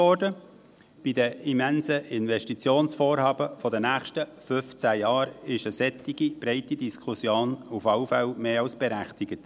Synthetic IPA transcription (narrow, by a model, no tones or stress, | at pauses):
ɔɾdə | b̥idəimænsəɪnvɛʃtit͡sjoːnsfoːrhɑːbəfɔdənæːχʃtəfʏft͡sæjɑːɾɪʃəsɛt̪ːiɡib̥ɾɛɪtidiskʰusjoːnufɑwfæwmeːɑlsb̥ɛɾæχtɪɡ̥ət